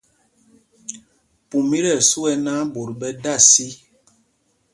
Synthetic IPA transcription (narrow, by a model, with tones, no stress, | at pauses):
pu˨mi˦ɾɛ˦˨ɾsu˦ɛ˦nã˦bo˨ɾbɛ˦da˦˨si˦